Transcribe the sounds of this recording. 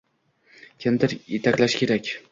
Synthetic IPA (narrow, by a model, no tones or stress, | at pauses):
kʲʰɪmd̪ɪɾjet̪ʰakʲlaʃkʲʰe̞ɾakʲ